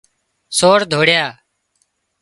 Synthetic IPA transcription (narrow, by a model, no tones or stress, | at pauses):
soːɾd̪ʱoːɽjaː